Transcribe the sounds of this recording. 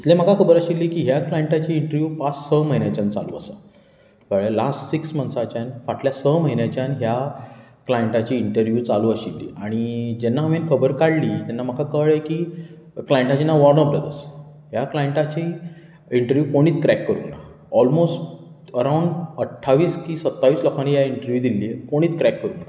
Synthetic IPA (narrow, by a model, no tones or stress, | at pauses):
it̪lem̤akakʰəbəɾəɕilːiːkiːɦjaklajeɳʈat͡ɕiːɳʈəɾʋjuːpat͡ssəməɦinjat͡ɕant͡sa̰lṵːə̰sə | kəɭelasʈsiksmənsat͡ɕjanfaʈljasəməɦinjat͡ɕjanɦja | klajeɳʈat͡ɕiːɳʈəɾʋjuːt͡saluːəɕilːḭaɽ̃id͡ʑɛnːaɦəmenkʰəbəɾkaɽliːt̪ɛnːam̤əkʰakəɭekiː | klajeɳʈat͡ɕinːaʋɔɾnəbɾəd̪əɾs | ɦjaklajeɳʈat͡ɕi | iɳʈəɾʋjuːkoɽ̃iːt̪kɾɛkːəɾṵna̰ | ɔlmosʈ | əɾauɳɖəʈʰːaʋiːskĩːsət̪ːaʋiːslɔkʰanijaiɳʈəɾʋjuːd̪ilːiːkoɽ̃iːt̪kɾɛkːəɾuːna